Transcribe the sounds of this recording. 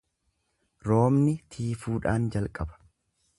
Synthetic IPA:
ɾo̞ːmnɪt̪ʰiːfuːᶑaːnd͡ʒɐlkʼɐbɐ̥

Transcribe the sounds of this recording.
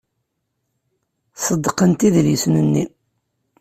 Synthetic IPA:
səd̪ːqənt̪iðlisnənːi

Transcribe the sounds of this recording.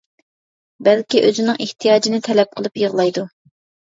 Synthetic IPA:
bɛlkʲiʔøzɪnɨŋʔeht̪ʰijɑːd͡ʒinɪt̪ʰɛlɛp̚qʰəlˠɨpjəʁlˠɑjd̪u

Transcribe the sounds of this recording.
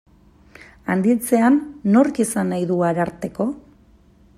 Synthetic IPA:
and̪it͡se̞anːo̞ɾkisanajðuaɾaɾt̪e̞ko̞

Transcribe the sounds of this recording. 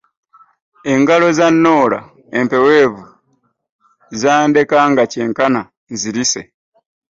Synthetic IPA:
e̞ŋɡalo̞zanːo̞ːla̰ | empe̞we̞ːβu | zaːnde̞kaŋɡace̞ːŋkana | nziɾise̞̰

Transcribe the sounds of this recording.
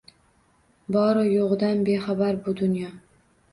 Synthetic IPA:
bɒɾɒjoʁd̪anbe̞χabaɾbʊd̪ʊnjɒ

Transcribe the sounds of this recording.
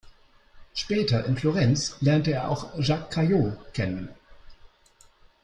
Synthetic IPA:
ʃpɛːtɐʔɪnfloʁɛnt͡slɛɐntəeːɐʔa̰ʊxʒakʰːajoːkʰɛnən

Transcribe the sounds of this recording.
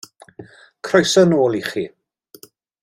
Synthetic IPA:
kʰrɔjsɔnoːlˠiχiː

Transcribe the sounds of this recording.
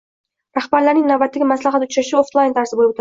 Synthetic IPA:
ɾaχbaɾlaɾnɪŋnabat̪ːɪɡʲɪmaslaχat̪ʊt͡ʃʰaʃɪoft̪lˠajnt̪ʰaɾsɪbolˠɪbot̪ʰ

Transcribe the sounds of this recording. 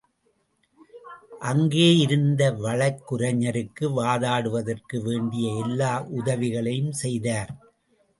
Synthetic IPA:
ʔɐŋɡeːɪɾɯnd̪ɐʋɐɭɐkːʊɾɐɲːɐɾɯkːɯʋaːðaːɽɯʋɐðɐrkɯʋeːɳɖɪjɐɛlːaːʔʊðɐʋɪɣɐɭɐjɯmsɛjðaːɾ

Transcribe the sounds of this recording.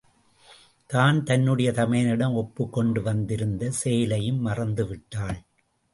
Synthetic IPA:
t̪aːnt̪ɐnːɯɽɐjɐt̪ɐmɐjɐnɪɽɐmɔpːɯkːɔɳɖɯʋɐnd̪ɪɾɯnd̪ɐseːlɐjɯmːɐrɐnd̪ɯʋɪʈːaːɭ

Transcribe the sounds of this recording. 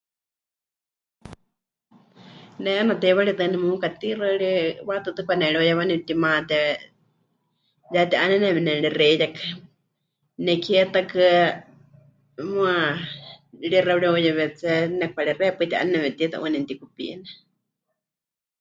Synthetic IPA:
nɛɛnat̪ɛβaɺit̪ɨnɛmukat̪iraɺiwat̪ɨt̪ɨkʷanɛɺiojawanimt̪imat̪ɛ | jat̪iʔanɛnɛβɛnɛɺirɛjakɨ | nɛkʰiɛt̪akɨ | mua | ɺirauɺiojɛβɛt͡sɛnɛkʰʷaɺirɛpɨt̪iʔa̰nɛnɛβɛt̪it̪a̰ʔṵnɛnt̪ikupḭnɛ

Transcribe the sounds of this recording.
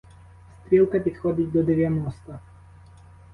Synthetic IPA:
st̪ɾʲilˠkɐpʲid̪xɔd̪ʲitʲd̪ɔd̪eʋʲjɐnɔst̪ɐ

